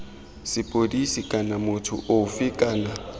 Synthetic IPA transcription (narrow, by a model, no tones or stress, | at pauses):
sɪpʼodisikʼanamʊtʰʊ̰ʔofɪkʼaːna